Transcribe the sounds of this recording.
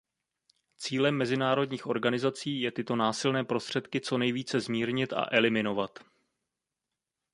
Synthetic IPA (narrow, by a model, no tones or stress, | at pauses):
t͡siːlɛmːɛzɪnaːɾo̞dɲiːxʔo̞ɾɡanɪzat͡siːjɛt̪ɪt̪o̞naːsɪlnɛːpɾo̞st̪r̝̥ɛt̪kɪt͡so̞nɛjviːt͡sɛzmiːɾɲɪt̪a̰ʔɛlɪmɪno̞vat̪